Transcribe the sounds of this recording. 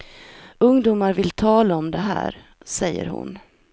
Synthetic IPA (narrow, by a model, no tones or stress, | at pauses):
ɵŋd̪uːmaɾvɪlt̪ʰɑːlaɔmd̪ɛɦæ̰ːɾ | sɛjːə̰ɾhʊ̰n